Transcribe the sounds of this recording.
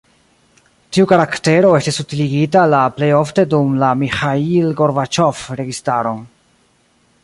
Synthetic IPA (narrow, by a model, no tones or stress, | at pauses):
tiukaɾakte̞ɾo̞e̞stisutiliɡitalaple̞jo̞fte̞dumlamixailɡo̞ɾvat͡ʃo̞fɾe̞ɡistaɾo